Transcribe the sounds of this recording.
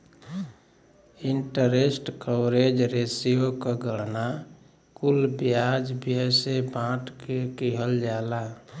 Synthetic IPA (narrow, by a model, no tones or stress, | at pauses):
iɳʈəɾesʈkəwɾed͡ʒɾesijokəɡəɽna | kulbjad͡ʒbiəsebãʈkekiɦəld͡ʒala